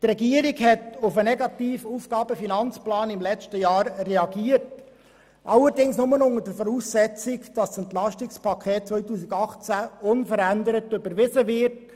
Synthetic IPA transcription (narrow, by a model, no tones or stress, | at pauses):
trɛɡiəɾiɡhɛtʊfənɛɡɑt̪iːfuːfɡ̥ɑːbəfinɑnt͡splɑːnɪmlɛt͡stəjɑːɾːɛɑɡiəɾt | ʔɑləɾdɪŋsnʊmənʊnədəfɔɾuːsːɛt͡sɪkd̥ɑsɛntlɑʃtɪkspʰɑkʰɛːt̚t͡sʋœʏtuːsɪɡɑχt͡sæʊnfəɾændəɾətːʏbəɾʋɪsəʋɪɾt